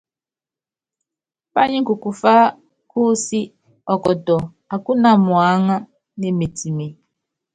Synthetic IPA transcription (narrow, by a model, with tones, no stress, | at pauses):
pa˦ɲɪ˦ku˨kʊ˨fa˦ | ku˦si˦ | ɔ˨kɔ˨dɔ˨ | a˨kʊ˦na˨mʊ˨a˨˦ŋa˦ | ne˨me˨ti˨me˨